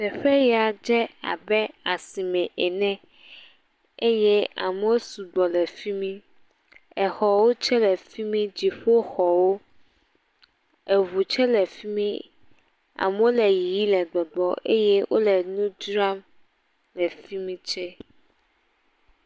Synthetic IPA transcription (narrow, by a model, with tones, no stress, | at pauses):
sɛ˨ɸɛ˦ja˨d͡ʒɛ˦a̰˨bɛ˦a˨si˨mɛ̃˨ʔɛ˨nɛ̃˦ | e˦jɛ˦a̰˨mɛ˨˦wo˦su˨ɡ͡bɔ˨lɛ˨fi˦mĩ˦ | ɛ˨xɔ˨wo˦t͡ʃɛ˦lɛ˨fi˦mĩ˦d͡ʑi˨ɸo˦xɔ˨wo˦ | ɛ˨βu˨t͡ʃɛ˦lɛ˨fi˦mĩ˦ | a̰˨m˦wo˦lɛ˨ji˨ji˦lɛ˨ɡ͡bɔ˨ɡ͡bɔ˦ʔe˦jɛ˦wʔo̰˦lɛ˨nũ˦d͡ʒɾa˦m | lɛ˨fi˦mĩ˦t͡ʃɛ˦